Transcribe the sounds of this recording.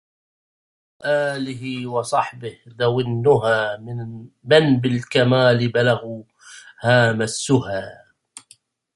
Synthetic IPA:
ʔaːlɪɦɪwɑsˤɑħbɪhd̪awɪnːʊɦaː | mɪnbɪlkamaːlɪbalaɣuː | haːmasʊhaː

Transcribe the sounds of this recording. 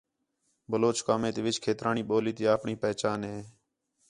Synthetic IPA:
bəloːt͡ʃkaːmẽːt̪eːʋɪt͡ʃkʰeːt̪ɾʔaːɳiːɓoːliːt̪eːaːpɳĩːpɛːt͡ʃaːnɦẽː

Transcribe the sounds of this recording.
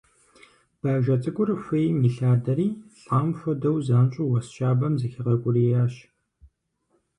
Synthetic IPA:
b̥aːʒʷɐt͡sʼɨkʷʼʊrfʷejmiɬaːdɐɾiːɬʼaːmfʷɐdɐwzaːnt͡ʃʼuwɐsʃaːbɐmzɨxɐʁɐkʷʼʊriːjaːʃ

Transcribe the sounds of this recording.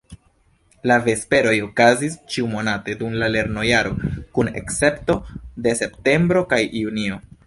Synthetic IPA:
lave̞spe̞ɾo̞jo̞kazist͡ʃiumo̞nate̞dumlale̞ɾno̞jaɾo̞kune̞̰kse̞pto̞de̞se̞pte̞mbɾo̞kajunio̞

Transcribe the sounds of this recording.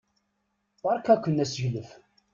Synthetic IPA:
əɾˤkækʷːənːæsəʝləf

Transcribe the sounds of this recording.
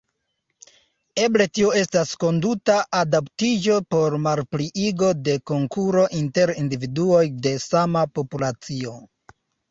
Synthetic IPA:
e̞ble̞tio̞e̞stasko̞ndutaʔadaptid͡ʒo̞po̞ɾmaɾpɾiʔiɡo̞de̞ko̞ŋkuɾo̞ʔinte̞ɾindividuo̞jde̞samapo̞pulat͡sio̞

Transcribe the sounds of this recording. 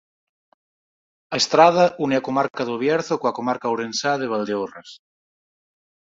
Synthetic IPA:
aest̪ɾað̞aʔuneakomaɾkaðoβ̞jɛɾθokoakomaɾkawɾensaðeβ̞ald̪eoras

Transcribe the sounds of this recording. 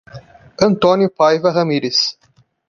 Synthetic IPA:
ɐ̃nt̪õnjʊpajvɐʁɐmiɾɪs

